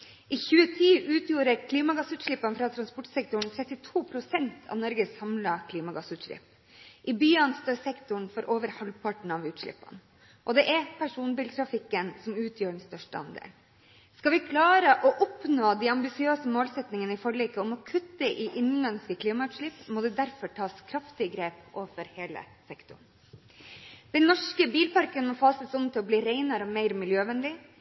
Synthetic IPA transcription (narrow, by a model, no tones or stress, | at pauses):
ʔɪçʉːət̪ʰiːʔʉːt̪juːɾəɾkʰliːmɑɡɑsʉːt̪ʂɭɪpːɑnfɾɑːt̪ʰɾɑnspɔʈsɛk̚t̪ʊɳ̩t̪ʰɾɛt̪ːɪt̪ʰuːpʰɾʊsɛnt̪ʰɑ̰ʋnɔɾɡəsɑmlɑkʰliːmɑɡɑsʉːt̪ʂlɪ̰pː | ʔɪbyːɑnst̪oːɾsɛkt̪ʊɳfɔɾʔoːʋəɾhɑlpʰɑʈɳ̩ɑʋʉːt̪ʂɭɪ̰pːɑ̰n | ʔɔd̪ɛʔɛɾpʰæʂuːnbɪlt̪ʰɾɑfɪkːənsɔmʉːt̪ʰjøːɖɛnst̪œʂʈəɑ̰nd̪ḛːl | skɑʋɪkʰlɑːɾəʔɔʔʊpnoːd̪æɑmbɪsɪøːsəmoːlsɛt̪nɪŋənəɪfɔɭiːkəɔmɔkʰʉt̪ːəʔɪʔɪnlɛnskəkʰliːmɑʉːt̪ʂɭɪpːmɔd̪ɛd̪æɾfɔʈʰɑːskʰɾɑft̪ɪəɡɾeːpʔoːʋəfɔɾheːlə̰sɛkt̪ʊ̰ɳ | d̪̥ɛnnːɔʂkəbiːlpɑɾkənmɔːfɑːsəsɔmt̪ʰɪlɔbliːɾeɪnɑɾəɔmɛɪɾəmɪljøːʋɛnd̪ɪ